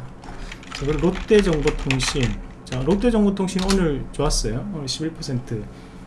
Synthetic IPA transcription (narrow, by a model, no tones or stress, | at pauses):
t͡ɕʰakɯɾɾot͈e̞d͡ʑʌŋbotʰoŋɕʰin | t͡ɕaɾot͈e̞d͡ʑʌŋɡotʰoŋɕʰinonɯɭt͡ɕoas͈ʌjoɕʰibiɭpʰʌsʰe̞ntʰɯ